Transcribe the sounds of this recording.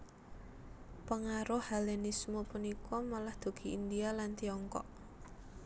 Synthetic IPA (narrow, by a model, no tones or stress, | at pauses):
pəŋaɾʊhalɛnismopunikɔmalahd̪̥o̤ɡ̥i̤ʔind̪ialant̪iɔŋkɔ̰ʔ